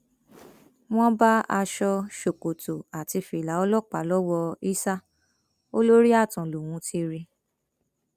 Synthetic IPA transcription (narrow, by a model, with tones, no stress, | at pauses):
w̃ɔ̃˦ba˦a˧ʃɔ˧ʃo˨ko˨to˨a˨ti˧fi˧˨la˨˦ɔ˧lɔ˦˨k͡pa˨˦lɔ˦wɔ˧i˦sa˦ | o˦lo˦ɾi˦a˦˨tɔ̃˨lo˨w̃ũ˨˧˦ti˧ɾi˧